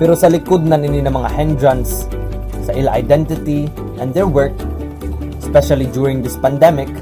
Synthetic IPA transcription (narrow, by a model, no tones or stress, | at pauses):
pɛɾosɐlɪkod̪̚nɐnɪninɐŋmɐŋahɛ̃nd̪ɹãnsː | ɐʔɪlaa̰jd̪ɛnt̪ɪt̪i | ʔɛ̃nd̪ɛɹwɛɹk̚ | ɛspɛʃalid͡ʒuɹɪ̃ŋd̪ɪspɐnd̪ɛmɪk